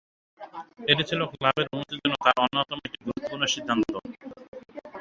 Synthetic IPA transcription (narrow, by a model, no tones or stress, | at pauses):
eʈit͡ɕʰiloklabeɾonut̪id͡ʑonːot̪aɾonːot̪omoek̚ʈiɡ̪ɾut̪ːpuɾnoʃid̪ʱːant̪o